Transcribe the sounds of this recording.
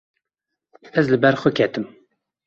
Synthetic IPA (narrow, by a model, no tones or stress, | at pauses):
ɛzlɨbɛɾxʷʊkʰɛt̪ɨm